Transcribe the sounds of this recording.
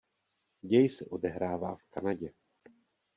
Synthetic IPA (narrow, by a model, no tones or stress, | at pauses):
ɟɛjsɛʔodɛɦɾaːvaːfkanaɟɛ